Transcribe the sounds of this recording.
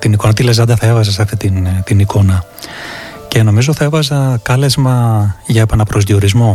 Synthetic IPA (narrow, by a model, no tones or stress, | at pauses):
t̪iniko̞nɐt̪ile̞zɐnd̪ɐθɐe̞vɐzɐs̬ɐft̪it̪int̪inikʰo̞nɐ | ce̞no̞mizo̞θɐevɐzɐkɐle̞zmɐʝɐepenɐpɾo̞zðio̞ɾizmo̞